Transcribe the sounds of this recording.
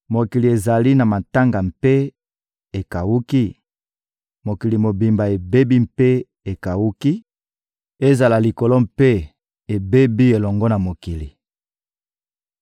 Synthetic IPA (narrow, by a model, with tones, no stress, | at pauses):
mo˨ki˨li˨e˨za˨li˦na˨ma˨ta˦ŋɡa˨mpe˦ | e˨ka˨wu˦ki˦ | mo˨ki˨li˨mo˨bi˨mba˨e˨be˦bi˦mpe˦ | e˨ka˨wu˦ki˦ | e˦za˨la˨li˨ko˨lɔ˦mpe˦ | e˨be˦bi˦e˨lɔ˨ŋɡɔ˦na˨mo˨ki˨li˨